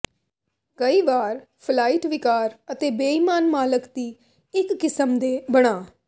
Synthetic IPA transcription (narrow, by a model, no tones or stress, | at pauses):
kəiːʋaːɾ | pʰlaːiʈʋɪkaːɾət̪eːbeːimaːnmaːləkd̪iː | ɪkːɪsəmd̪eːbəɽ̃aː